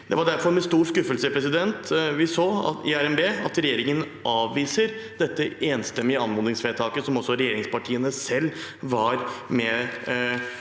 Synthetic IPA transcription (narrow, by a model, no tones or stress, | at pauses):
d̪ɛʋɑɖæɾfɔɾmɛst̪uːɾskʉfəlsəpʰɾɛsɪd̪ɛnt̪ʋɪsoːɑ̰ɪæɾɛmbeːɑt̪ɾɛjeːɾɪŋən | ʔɑːʋːiːsəɾd̪ɛt̪ːəeːnst̪ɛmːɪəɑnmʊːd̪ɪŋsfɛːt̪ʰɑːkəsɔmɔsːɔɾɛjeːɾɪŋspɑʈʰiːənəsɛlːʋɑɾmɛ